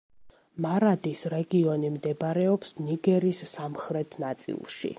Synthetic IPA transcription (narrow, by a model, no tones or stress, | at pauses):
maɾad̪isɾɛɡiɔnimd̪ɛbaɾɛɔpsniɡɛɾisːamχɾɛt̪ʰnat̪sʼḭlˠʃḭ